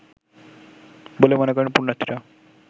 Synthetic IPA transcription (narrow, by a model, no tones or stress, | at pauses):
bolemɔnekɔɾenpuɾnat̪ʰːiɾa